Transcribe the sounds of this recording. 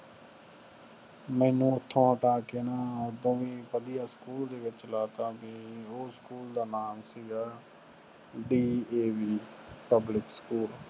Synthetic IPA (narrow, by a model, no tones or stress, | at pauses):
mɛ̃ːnũːʊt̪ʰːõːəʈaːkeːnaːəbõːʋiːpəd̪ɪjaːskuːld̪eːʋɪt͡ʃlaːt̪aːbĩːoːskuːld̪aːnaːmsiɡaː | ɖiːeːʋiː | pəblɪkskuːl